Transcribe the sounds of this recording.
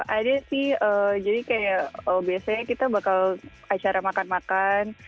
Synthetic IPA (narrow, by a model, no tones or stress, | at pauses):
ʔadasɪhəːd͡ʒadikajaəbiasaɲakit̪abakal | at͡ʃaɾamakanmakan